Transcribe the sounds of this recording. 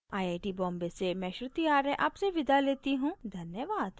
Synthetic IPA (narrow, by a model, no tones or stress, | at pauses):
aːjaːjʈibɔ̃ːmbesemɛ̃ːʃɾʊt̪ijaːɾɛ̃ʔaːpseʋɪd̪aleːt̪iɦũd̪ʱɐnjəʋaːd̪̥